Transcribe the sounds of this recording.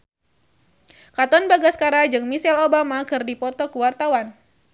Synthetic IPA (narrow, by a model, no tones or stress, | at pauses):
kat̪ɔnbaɡaskaɾad͡ʒɨŋmisɛlobamakɨrdipɔt̪ɔkəwart̪awan